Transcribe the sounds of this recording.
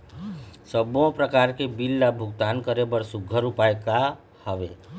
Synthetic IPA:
səbõpɾəkaɾkebilːabʱʊɡt̪ankəɾebəɾsʊɡʱːəɾupajka | həʋe

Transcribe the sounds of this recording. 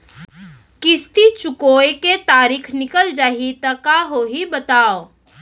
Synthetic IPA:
kɪst̪it͡ʃʊkoːjket̪aːɾikʰnɪkəld͡ʒaːɦit̪ɐkaɦoɦibət̪aːo

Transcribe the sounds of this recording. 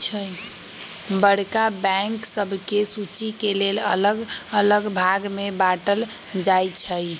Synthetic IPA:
t͡ʃʰə | bəɽkabɛŋksəbʱkesut͡ʃikelelə̰ləɡələɡbʱaɡmebaʈəl | d͡ʒajt͡ʃʰə

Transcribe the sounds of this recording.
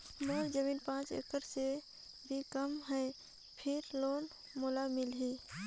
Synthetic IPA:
moːld͡ʒəmiːnpãːt͡ʃḛkəɾse | bʱikəmɦɛː | pʰɪɾloːn | moːlamɪlɦiː

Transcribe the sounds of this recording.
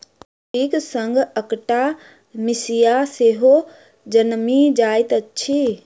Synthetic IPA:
ʈiːksɐ̃ŋɡʱɐkʈa | mɪsijaseɦo | d͡ʑɐnmid͡ʑaːɪt̪ɐt͡ɕʰi

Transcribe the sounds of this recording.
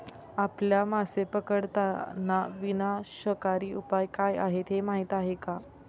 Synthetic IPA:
apljamasepəkəɽt̪anːaʋinaɕəkaɾiːupajkaja̰ɦet̪ɦemaɦit̪aɦeka

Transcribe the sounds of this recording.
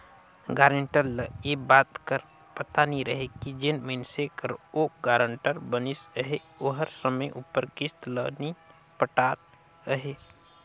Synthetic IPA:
ɡaːɾəɳʈəlːəjebaːt̪kəɾ | pət̪aniɾəɦekid͡ʒenmensekəɾoɡaːɾəɳʈəɾbənisəɦe | oɦəɾsəməjʔupːəɾkɪst̪ləni | pəʈaːt̪ | əɦe

